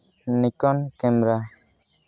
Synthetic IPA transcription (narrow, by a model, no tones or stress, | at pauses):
nikɔnkɛmɾa